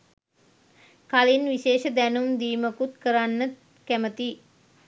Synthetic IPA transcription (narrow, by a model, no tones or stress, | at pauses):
kalinʋiʃeːʃəd̪ænumd̪iːməkut̪kəɾanːə | kæmət̪i